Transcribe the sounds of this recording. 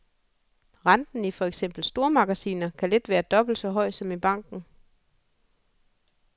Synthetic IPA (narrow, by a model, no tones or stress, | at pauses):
ʁɑnd̥n̩ifɒ̽eɡ̥sem̰b̥l̩sd̥o̝ɐmɑ̈ɡ̥æsḭːnɐkʰæle̝d̥ʋæːɐd̥ɒ̽b̥l̩əsɒ̽ɦɒ̽ɪ̰d̥sɒ̽mib̥ɑ̈ŋ̰ɡ̥n̩